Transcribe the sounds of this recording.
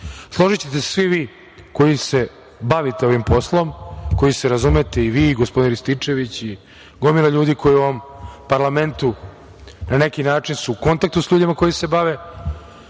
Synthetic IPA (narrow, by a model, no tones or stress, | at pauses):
slˠo̞ʒit͡ɕet̪esʋiʋiː | ko̞jise̞ | baʋit̪eo̞ʋimpo̞slˠo̞mko̞jiseɾazumet̪eiʋiːɡospd̪inɾist̪it͡ʂe̞ʋit͡ɕi | ɡomilaʎuːd̪ikʰo̞jiuoʋompaɾlˠame̞nt̪u | nane̞kinaːt͡ʂinsuːko̞nt̪ak̚t̪usʎuːd̪imako̞jisebaʋe